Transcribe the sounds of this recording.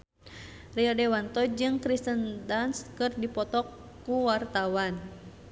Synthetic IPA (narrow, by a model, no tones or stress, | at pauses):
riɔdɛwant̪ɔd͡ʒɨŋkɾist̪əndanskɨrdipɔt̪ɔkː | uwart̪awan